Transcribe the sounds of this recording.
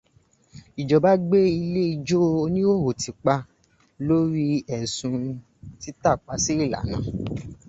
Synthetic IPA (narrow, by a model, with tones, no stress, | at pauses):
i˨d͡ʒɔ˨ba˦ɡ͡be˦i˧le˦i˧d͡ʒo˦o˧nĩ˦o˦˨ɦo˨ti˨k͡pa˧ | lo˦ɾi˦ɛ˨sũ˧ | ti˦ta˦˨k͡pa˨˦si˦i˦˨la̰˨˦nã̰˨